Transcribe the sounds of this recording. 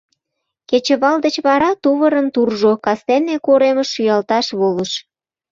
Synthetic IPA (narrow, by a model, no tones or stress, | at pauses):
ket͡ɕə̆βɑld̪ət͡ɕβɑɾɑt̪uβəɾənt̪urʒokɑst̪enekoɾeməʃːyjɑlt̪ɑʃβoləʃ